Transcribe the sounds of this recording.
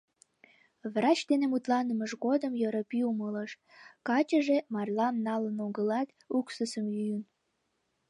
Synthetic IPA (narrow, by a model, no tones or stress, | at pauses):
βrɑt͡ɕd̪enemut̪lɑnəməʒɣod̪əmjəɾəpiumələʃ | kɑt͡ɕəʒemɑrlɑmnɑlənoɣəlɑt̪ | uksəsəmlyjən